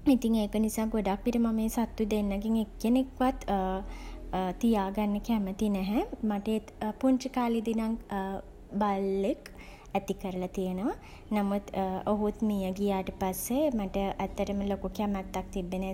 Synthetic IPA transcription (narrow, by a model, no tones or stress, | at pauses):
it̪iŋeːkənisaːɡoɖakʋiʈimameːsat̪ːud̪enːəɡiŋekːenekʋat̪ | t̪ijaːɡanːəkɛmət̪inɛɦɛmaʈeet̪puɲt͡ʃikaːlid̪inaŋ | balːek | æt̪ikəɾəlat̪ijənəʋa | namut̪ːoɦut̪mijəɡijaːʈəpasːemaʈəʔæt̪ːəʈəməlokukɛmɛt̪ːak̚t̪ibːen